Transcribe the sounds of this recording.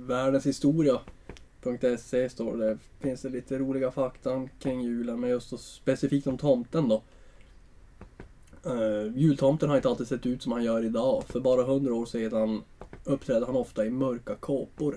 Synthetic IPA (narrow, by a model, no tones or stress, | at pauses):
væːɖənshɪst̪uːɾɪapʰɵŋk̚t̪ɛsest̪o̰ːɖɛ | fɪnsd̪ɛliːt̪ʰəɾuːlɪɡafakt̪ʰankʰɾɪŋːjʉ̟ːlənmɛnjɵst̪sɔspɛsɪfiːk̚t̪ɔmt̪ʰɔmt̪ənd̪ɔ | jʉ̟ːlt̪ʰɔmt̪ənhaɾɪnt̪alt̪ɪd̪sɛt̪ːʉ̟ːt̪sɔmhanjœːɾɪd̪ɑːfœɾbɑːɾaɦɵnd̪ɾaoːʂeːd̪anɵpːt̪ʰɾɛːd̪əhanɔft̪aɪmœɾkakʰoːpʊɾ